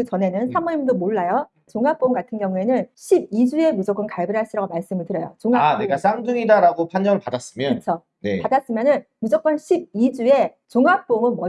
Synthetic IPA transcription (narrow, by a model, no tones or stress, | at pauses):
kɯt͡ɕʌne̞nɯnsʰamʌimundomoɭːajo | t͡ɕoŋɦap͈omɡatʰɯnɡjʌŋue̞nɯnɕʰib̚id͡ʑue̞mud͡ʑʌk͈ʌnkaɭbɯɾɦaɭɕ͈iɾaɡomaɭs͈ɯmɯɭtɯɾʌjo̰t͡ɕoŋaneɡas͈ʰamdɯŋidaɾaɡopʰand͡ʑʌŋɯɭpadas͈ɯmjʌnɯt͡ɕʰo | nepadas͈ɯmjʌnɯnmud͡ʑʰʌk͈wʌnɕʰib̚id͡ʑue̞t͡ɕoŋap͈omɯnmʌ